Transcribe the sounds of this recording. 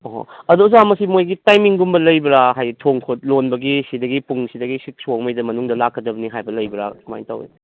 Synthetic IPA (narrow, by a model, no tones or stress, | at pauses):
ɔɦo̰ɐdozamɐsimojɡitajmiŋɡumbɐlɐjbɾaɦajtʰoŋkʰot̚lonbɐɡisidɐɡipuŋsidɐɡisik̚somɐjdɐmɐnuŋdɐlakʰːɐdɐbɐniɦajbɐlɐjbɐɾa̰ma̰jnta̰wḛ